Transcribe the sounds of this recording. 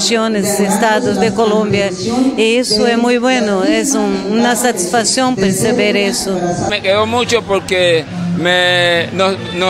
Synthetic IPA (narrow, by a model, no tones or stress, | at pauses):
ʃjõnezest̪aðʊzd̪ekolõmbjɐ | iisʊɛmujbwẽnʊɛzũũnɐsat̪isfasjõpeɾsebeɾisʊmekeɣomut͡ʃopoɾke | meno | no